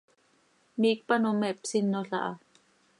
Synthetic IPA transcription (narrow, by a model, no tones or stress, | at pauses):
miːk̚panomɛpsinːoɬa̰ʔa